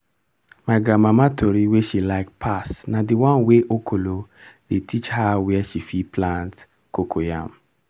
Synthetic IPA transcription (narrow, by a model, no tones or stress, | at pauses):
maɪɡɾamamatʰoɾiweʃilaɪk̚pʰasnadiwãnweʔokʰolodetʰit͡ʃhawiɛʃifiplãnt | kokʰojã̰m